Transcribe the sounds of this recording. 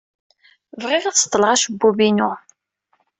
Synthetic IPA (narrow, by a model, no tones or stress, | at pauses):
vʁɪʁæθst̪ˤːləʁæʃəbːubinu